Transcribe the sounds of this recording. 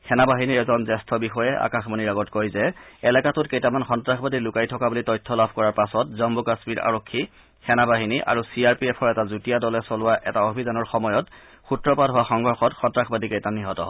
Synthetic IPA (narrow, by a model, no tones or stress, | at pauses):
xʰɛnabaɦiniɹɛzɔnzɛstʰɔbixɔjɛʔa̰kaxmɔniɹaɡɔtkojzɛɛlɛkatʊt̚kejtamanxɔntɹaxʰbadilʊkajtʰɔkabulitɔjtʰːɔlabʱkɔɹaɹpasɔtzɔmbukasmiɹa̰ɹokʰːi | xɛnabaɦiniʔa̰ɹusiaɹpiɛpʰɔɹɛtazutijadɔlɛsɔlʊwaʔɛtaobʱidanɔɹxɔmɔjɔt | xutɹɔpadɦʊwaxɔŋɡʱɔɹxɔtxɔntɹaxʰbadikejtaniɦɔtɔ̰